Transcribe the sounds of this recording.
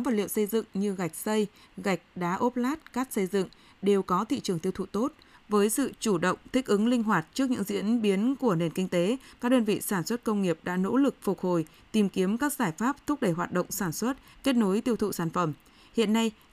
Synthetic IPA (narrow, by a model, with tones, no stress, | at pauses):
ɔ˨˦va˨˩lḭ˧˨əwsə˧jzɨ̰˧˨ŋɲɨ˧ɣa˨˩jk̟̚sə˧j | ɣa˨˩jk̟̚ɗaː˨˦ʔo˦˥p̚laː˦˥t̚kaː˦˥k̚sə˧jzɨ̰˧˨ŋ | ɗe˨˩wkɔ˨˦t̪ʰḭ˧˨t͡ɕɨ˨˩əŋt̪i˧əwt̪ṵ˧˨t̪o˦˥t̚ | vəː˨˦jsɨ̰˧˨t͡ɕu˧˩ɗə̰˧˨wŋ͡mt̪ʰï˦˥k̟̚ʔɨ˨˦ŋlï˧ŋ̟ɦwaː˨˩t̚t͡ɕɨ˦˥ək̚ɲɨ̰˧˥ŋzḭ˧˥ənɓi˨˦ənku˧˩əne˨˩nkï˧ŋ̟t̪e˨˦kaː˦˥k̚ɗəː˧nvḭ˧˨saː˧˩nswə˦˥t̚kə˧wŋ͡mŋi˨˩əp̚ɗa̰ː˧˥no̰˧˥lɨ˨˩k̚fʊ˨˩k̚ho˧˩j | t̪i˨˩mki˨˦əmkaː˦˥k̚z̥aː˧˩jfaː˦˥p̚t̪ʰʊ˦˥k͡p̚ɗə˧˩jɦwaː˨˩t̚ɗə̰˧˨wŋ͡msaː˧˩nswə˦˥t̚ke˦˥t̚no˨˦jt̪i˧əwt̪ʰṵ˧˨saː˧˩nfə˧˩m | hḭ˧˨ənːa˧j